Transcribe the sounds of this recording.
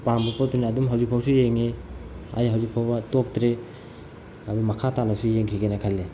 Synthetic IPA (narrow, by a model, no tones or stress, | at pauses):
pambupodunːdumɦawzik̚pʰawsujeŋea̰jɦawzik̚pʰawbɐtop̚tɾe | ɐdumakʰatalasujeŋkʰiɡenakʰalːe